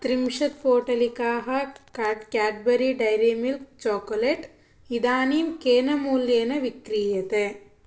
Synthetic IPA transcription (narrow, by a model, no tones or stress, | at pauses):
t̪ɾɪmʂɐt̪̚poːʈɐlikːaːɦɐkːkaːʈ̚bɐɾiɖɐjɾemilk̚t͡ʃoːkːoleʈ | iðaːnimkeːnɐmuːljeːnɐʋikɾijɐt̪e